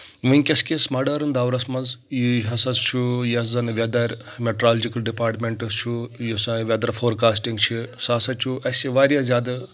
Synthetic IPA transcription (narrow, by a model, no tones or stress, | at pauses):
ʋɨnʲkʲɐskʲesmɐɖɐɾɨnd̪aːwɾɐsmɐnzjiɦɐsɐst͡ʃʰujɐszɐnʋʲɐd̪ɐɾʲ | meʈɾaːld͡ʒikɐlɖipaːɾʈmʲeɳʈɐst͡ʃʰujusɐ̃ʋʲɐd̪ɐɾɐfʰoːɾkaːsʈiŋɡt͡ʃʰisaːsɐt͡ʃʰuʔɐsiʋaːɾʲjazʲjaːd̪ɐ